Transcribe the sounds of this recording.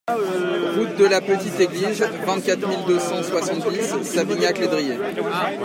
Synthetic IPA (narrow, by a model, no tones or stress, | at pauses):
ʁut̪̚d̪əlapət̪it̪eɡlizvɛ̃t̪̚kʲat̪χmild̪øsɑ̃swasɑ̃t̪̚d̪izːaviɲakled̪ʁije